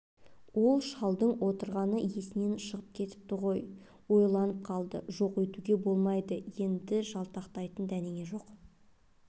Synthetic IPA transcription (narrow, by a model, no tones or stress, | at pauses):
wo̞lˠʃɑlˠd̪əɴwo̞t̪əɾʁɑnəje̞sɪne̞nʃəʁəp̚kʲʰe̞t̪ɪ̥p̚t̪ɪʁo̞j | wo̞jlˠɑnəp̚qʰɑlˠd̪ə̰ʒoqwɵjt̪uɡʲe̞bo̞lˠmɑjd̪əje̞nd̪ɪʒɑlˠt̪ʰɑqt̪ɑjt̪ənd̪æneŋʲe̞ʒo̞q